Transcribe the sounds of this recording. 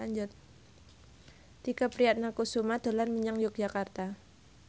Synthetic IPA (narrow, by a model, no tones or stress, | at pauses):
aɲd͡ʒʊt̪̚ | t̪ikapɾiat̪̚nakusumad̪̥a̤lanmiɲaŋjʊk̚d͡ʒakart̪a